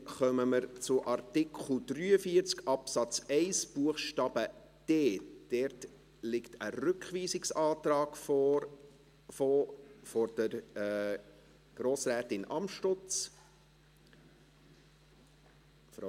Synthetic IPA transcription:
χœməməɾt͡sʊʔɑrtɪkʰχl̩d̪̥ryːəfiəɾt͡skɑpsɑt͡sɛɪsb̥uəχʃtɑːb̥ə | d̥eːd̥ɛɾt | lɪktʰərʏkχʋiːsɪksɑːt̪ɾɑːɡ̥f | fɔɾd̥əɾ | ɡ̥ɾoːsræːtɪnʔɑmʃtʊt͡s | f

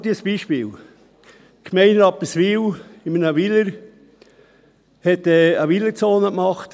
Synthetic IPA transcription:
d̪iːsb̥iːʃpiːl | kʰmɛɪnɾɑpəsʋilɪmənəvɪləɾ | hɛtɛːəʋɪləɾt͡soːnəkmɑχt̪

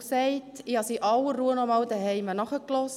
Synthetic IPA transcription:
ksɛɪtihɑsiːʔɑwəːuːənɔmɑld̪əɦɛɪmənɑχəklɔs

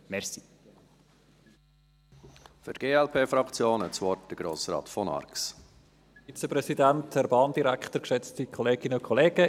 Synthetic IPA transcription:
mɛɾsi̥ | fyɾtɡ̥eːɛlpʰeːfɾɑkt͡sjoːnɛtt͡sʋɔɾt̚d̥əɡ̥ɾoːsɾɑ̰ːtfɔnɑ̰ɾks | it͡seprɛsidæntɛɾbɑːnd̥iɾæktəɾkʃɛt͡stikʰɔleːɡ̥ɪnəʊkʰɔleːɡ̥ə

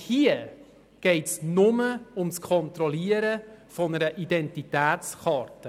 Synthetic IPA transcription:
hiə | ɡ̥ɛɪtsnʊməʊmskʰɔnt̪ɾɔliːəɾəfɔnəɾəʔidɛntitæːt͡sχɑːɾtə

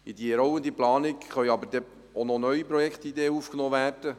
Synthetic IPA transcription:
id̪iɾɔwənd̪iplɑːnɪkχœjɑbəɾd̥̪ɛ | onɔnœɥipɾɔjɛkχt̪id̪eːəufknoːʋæːrd̥ə

